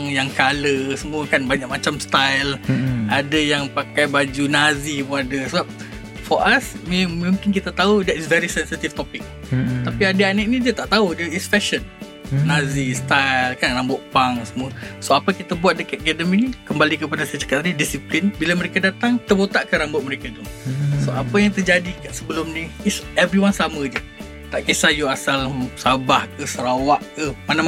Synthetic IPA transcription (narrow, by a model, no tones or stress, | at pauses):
ŋjaŋkaləsəmũəkanbaɲak̚mat͡ʃamst̪ajladajaŋpakajbad͡ʒunazibuadasəbap̚ | fɔʔasmemũmkɪnkit̪at̪audɛtsvɛɾisɛnsit̪ift̪opɪk̚t̪apiadəanəʔ̚nidiat̪aʔt̪audəisfɛʃənː | ãzist̪ajlkanrambʊʔpaŋsəmũəsoapəkit̪abuat̪̚dəkat̪̚ɡɛdəminikəmbalikəpadasat͡ʃḁkat̪adidisiplinbilaməɾekadat̪aŋt̪ərbot̪aʔkəɾambʊʔ̚məɾekat̪usoapəjaŋt̪ərd͡ʒadikasəbəlʊmniisɛvɾiwansaməd͡ʒə | t̪aʔkisajuasalsabahkəsəɾawaʔkəmanam